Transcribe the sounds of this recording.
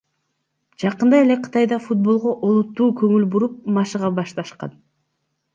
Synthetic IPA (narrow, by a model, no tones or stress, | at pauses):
d͡ʒɑqɯnd̪ɑje̞le̞qʰɯ̥t̪ɑjd̪ɑfut̪̚bo̞lˠʁoʔolˠut̪ːuːkɵ̞ŋylbuɾup̚mɑʃɯʁɑbɑʃt̪ɑʃqɑ̰n